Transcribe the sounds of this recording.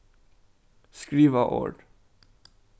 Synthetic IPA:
skɹiːʋəʔo̰ːɖ

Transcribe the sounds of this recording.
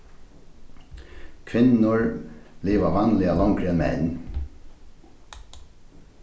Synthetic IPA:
kʰʋɪnːʊɹliːʋavanlɪalɔŋkɾɪɛnmɛ̰n

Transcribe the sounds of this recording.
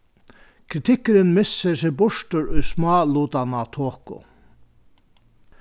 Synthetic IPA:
kʰɾɪt̪ʰɪkːɪɾɪnmɪsːɪsɪbʊʂtʊɾʊjsmɑːluːt̪anat̪ʰoːkʊ̰

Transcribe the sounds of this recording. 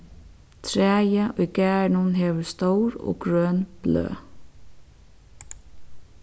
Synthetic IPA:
t̪ʰɾæːjaʔʊjkæːɹɳʊnɦɛːʋʏɹst̪owɾɔ̰ɡɾœːnb̥lø̰ː

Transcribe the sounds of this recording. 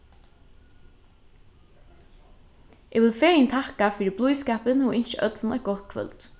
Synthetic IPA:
ʔɛːɡʋɪlfeːjɪnt̪ʰahkafʏːɾɪblujskɛːpənɔʔɪnʃəʔœt̪lnɛ̰ɡɔt̪kʰʋœ̰lt̪

